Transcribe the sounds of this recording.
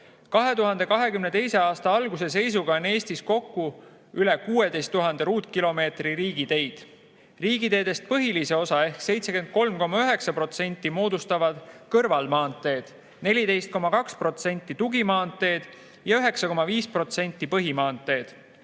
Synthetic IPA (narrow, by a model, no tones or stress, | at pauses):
kɑɦe̞t̪uɦɑnd̪e̞kɑɦe̞kymne̞t̪e̞jse̞ɑːst̪ɑɑlɡuse̞s̬e̞js̬uɡ̥ɑone̞ːst̪isko̞kːu | ylekuːe̞d̪e̞jst̪ːuɦɑnd̪eɾuːt̪ˑkilo̞me̞ːt̪riɾiːɡ̥it̪e̞jd̪̥ | riːɡ̥it̪e̞ːd̪̥e̞st̪̚pɤɦilise̞o̞sɑe̞hkse̞jt̪se̞kend̪̥̚ko̞lmko̞mːɑyøɦe̞ksɑpro̞t̪se̞nʲt̪ˑːimo̞ːd̪ust̪ɑvɑd̪̥kɤrvɑlmɑːnt̪ːˑe̞ːd̪̥ | ne̞lʲid̪e̞jst̪̚ko̞mɑkɑkspro̞t̪se̞nʲt̪ːˑit̪uɡimɑːnt̪ːˑe̞ːd̪̥ | jɑyɦe̞ksɑko̞mɑviːspro̞t̪se̞nʲt̪ːˑipɤɦimɑːnt̪ːˑe̞ːd̪̥